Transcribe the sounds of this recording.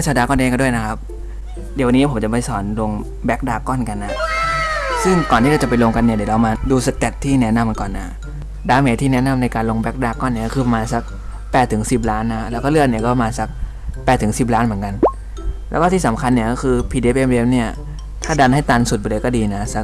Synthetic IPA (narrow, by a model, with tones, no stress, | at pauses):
a˥˩t͡ɕʰaː˧˩daː˧kɔː˥˩nʔeː˧˩kːdu˥˩əjna˦˥kʰa˦˥p̚ | di˨˩˦wa˧nːiː˦˥˩pʰo˩˦mt͡ɕa˨˩pa˧˩jsɔː˩˦nlo˧ŋ | bɛ˦˥k̚daː˧kɔ˥˩˨nka˧nʔa˦˧˩ | sɯ˥˩ŋkɔː˨˩nt̪iː˥˩a˧wt͡ɕa˨˩pa˧jlo˧ŋka˧nːi˥˩di˩˦ɾa˧wmaː˧duː˧sa˧t̪e˨˩k̚t̪ʰiː˥˩nɛ˦˥na˧m˧nkɔː˨˩nʔa˨˦˩ | daː˧meː˧˥t̪ʰiː˥˩nɛ˦˥na˧˩mna˧jkaː˧nlo˧ŋbɛː˦˥k̚daː˧kɔː˥˩nːi˥˩kkʰɯː˧pa˧maː˧nsa˧˩k̚ | pɛː˨˩t̪ʰːɯ˩˦ŋsi˨˩p̬̚ɾaː˦˥nːa˦˥˦lɛː˦˥wkɔ˥˩lɯ˥˩ət̪̚ni˥˩ɐkɔ˥˩a˨maː˧nsa˦˩k̚ | pɛː˨˩t̪ʰːɯ˩˦ŋsi˨˩p̚ɾaː˦˥nmɯ˩˦ənka˧n | lɛ˦˥kɔ˥˩iː˥˩sa˩˦mkʰa˧nːi˥˩ɐkɔː˥˩kʰɯː˧pʰiː˧deː˧pʔe˧me˧˥mni˥˩ɐ | t̪ʰaː˥˩da˧nha˥˩jt̪aː˧nsu˨˩ba˧˩lɤː˧kɔ˥˩diː˧na˦˥sa˨˦˥k̚